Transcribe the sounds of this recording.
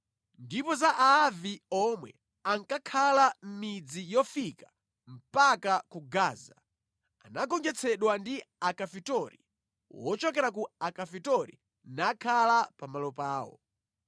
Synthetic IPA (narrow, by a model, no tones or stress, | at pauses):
ndipɔzaʔaːviɔmwɛ | aŋkakʰalam̩mid͡zijɔfika | m̩pakakuɡaːza | anaɡɔnd͡ʒɛt͡sʰɛɗwandiakafitɔɾḭ | wɔt͡ʃɔkɛɾak̬uakafitɔɾḭ | nakʰalapamalɔpaːwɔ̰